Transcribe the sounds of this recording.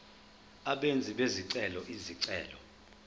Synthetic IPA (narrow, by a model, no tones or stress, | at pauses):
aɓend͡zʱiɓeziǀɛlɔʔiziǀɛ̰ːlɔ